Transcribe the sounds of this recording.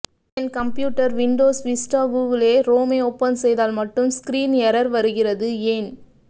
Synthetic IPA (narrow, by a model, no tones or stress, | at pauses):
ɛnkɐmpjuːʈːɐɾʋɪɳɖoːsʋɪsʈaːɡuːʋɪleːɾoːmeːɔːpːɐnsɛjðaːlmɐʈːɯmskɾiːnɛɾɐɾʋɐɾɯɣɪrɐðɯeːn